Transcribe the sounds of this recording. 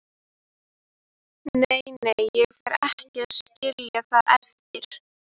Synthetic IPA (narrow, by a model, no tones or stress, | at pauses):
nejnejɛɣfɛɾɛhcɪaðscɪljaθaðɛft̪ɪɾ̥